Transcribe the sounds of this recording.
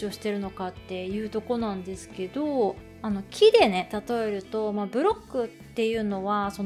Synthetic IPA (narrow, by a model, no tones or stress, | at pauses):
io̞ɕi̥t̪e̞ɾɯ̟no̞kat̪ːe̞jɯ̟ːt̪o̞ko̞nãnd̪e̞sɨ̥ke̞d̪o̞ | ano̞kʲʰid̪e̞ne̞t̪at̪o̞e̞ɾɯ̟t̪o̞mabɯ̟ɾo̞ɡːɯ̟t̪ːe̞jɯ̟ːno̞βaso̞n